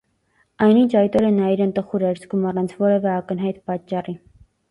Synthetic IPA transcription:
ɑjnint͡ʃʰɑjt̪ɔɾənɑiɾənt̪əχuɾɛɾt͡sʰɡʰumɑrɑnt͡sʰvɔɾɛvɛɑkənɦɑjt̪pɑt͡ʃːɑri

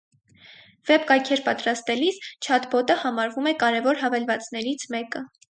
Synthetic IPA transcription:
v̥ɛpkɑjkʰɛɾpɑt̪ɾɑst̪ɛlist͡ʃʰɑt̪bɔt̪əhɑmɑɾvumɛkɑɾɛvɔɾɦɑvɛlvɑt͡snɛɾit͡sʰmɛkə

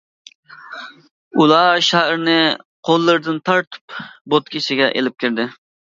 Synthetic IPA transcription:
ulˠɑʃɛhɾnɪqʰolˠːɨɾd̪ɨnt̪ʰɑɾt̪ʰɨ̥pbot̪̚kʲʰiʃɪɡʲɛʔḛlɪp̚kʲɪɾd̪ɪ

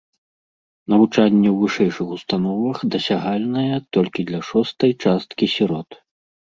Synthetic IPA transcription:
nɐvut͡ʂanʲːɛwvɨʂɛjʂɨxust̪anɔvɐxd̪ɐsʲaɣalʲnɐjɛt̪ɔlʲkʲid̪lʲɐʂɔst̪ɐjt͡ʂast̪kʲisʲiɾɔt̪

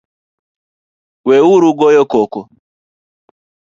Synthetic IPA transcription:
wɛuɾuɡɔjɔkɔkɔ

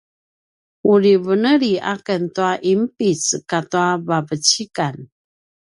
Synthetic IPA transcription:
uɾivənəɾiʔa̰kəntuaʔimpit͡skatuavavət͡ɕikan

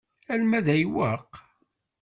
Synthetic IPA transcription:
ælmæðæjwæq

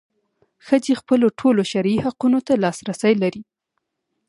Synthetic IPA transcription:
xəd͡zexpəloʈʰoloʃaɾihaqunot̪alɑsɾasəjlaɾi

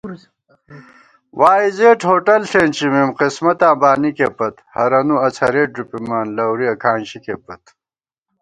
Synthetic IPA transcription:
wʔaːizeːʈhoːʈɐlɬeːnt͡ɕʰimemqismɐt̪ãːbaːnikepɐt̪hɐɾɐnuɐt͡sʰɐɾeːʈ̚ɾupimaːnlɐwɾiɐkʰaːnɕikepɐt̪

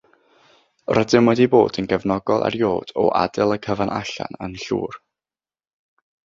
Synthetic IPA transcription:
rədɪmwɛdiboːdənɡəvnɔɡɔlˠa̰rjoːd̥ɔʔadɪlˠəkʰəvanʔaɬa̰nənɬṵːr

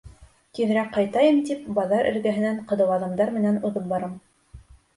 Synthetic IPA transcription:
k̪ið̆ɾækqːɑjt̪ɑjɤmt̪ip̚bɑðɑɾʔɘ̰̆ɾɡæɦɘ̆næɴqɤ̆ðɤ̆wɑðɤ̆md̪ɑɾmɘ̆nænuðɤp̚bɑɾɤm

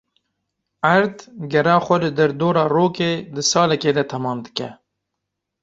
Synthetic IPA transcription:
aɾt̪ɡaɾaχaled̪əɾd̪oːɾaɾoːked̪əsɑːlaked̪at̪ʰamɑːmd̪ə̥ka̰

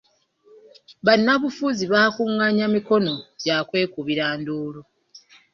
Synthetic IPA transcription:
βanːaβufuziβaːkuŋːaɲamiko̞no̞ɟaːkwe̞ːkuβiɾaːnduːlu

